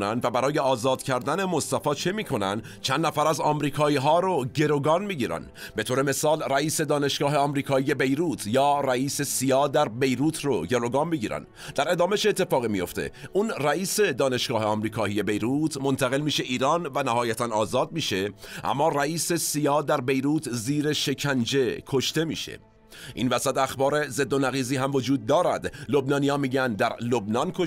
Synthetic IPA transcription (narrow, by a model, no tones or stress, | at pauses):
nænd̪væbæɾɒːje̞ɒːzɒːd̪̥cʰæɾd̪æne̞mo̞st̪æfɒːt͡ʃʰe̞miːkʰo̞næ̰nd̪ | t͡ʃʰænd̪næfæɾæzɒːmɾiːkʰɒːiːɦɒːɾoɟe̞ɾo̞ɡɒːnmiːɟiːɾæ̰n | be̞t̪ʰoːɾe̞me̞sɒːlræiːse̞d̪ɒːne̞ʃɡ̥ɒːɦeɒmɾiːkʰɒːije̞be̞jɾuːt̪ʰjɒːræiːse̞sijɒːd̪æɾbe̞jɾuːt̪ʰro̞ɟe̞ɾo̞ɡɑːnmiːɟiːɾæ̰n | d̪̥æɾe̞d̪ɒːme̞ʃet̪ʰːe̞fɒːɣimijo̞̰ft̪e̞̰ʔunræiːse̞d̪ɒːne̞ʃɡ̥ɒːheɒmɾiːkʰɒːije̞be̞jɾuːt̪ʰmo̞nt̪ʰæɣe̞lmiːʃe̞ʔiːɾɑːnvænæhɒːjæt̪ʰænɒːzɒːd̪̚miːʃe̞ʔæ̰mːɒːræiːse̞sijɒːd̪æɾbe̞jɾuːt̪ʰziːɾe̞ʃe̞cʰænd͡ʒe̞kʰo̞ʃt̪e̞mḭːʃḛ | ʔḭnvæsæt̪æxbɒːɾe̞ze̞d̪ːo̞næɣiːziːɦæmvo̞d͡ʒuːd̪̚ːɒːɾæ̰d̪lo̞bnɒːnijɒːmiːɟænd̪æɾlo̞bnɒːnkʰo